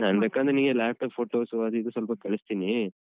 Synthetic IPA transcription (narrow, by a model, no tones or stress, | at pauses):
naːnbeːkaːnd̪ɾeniːɡelaːp̚ʈɐːpfʰoːʈoːsʋad̪id̪usʋɐlpɐkeɭist̪iːni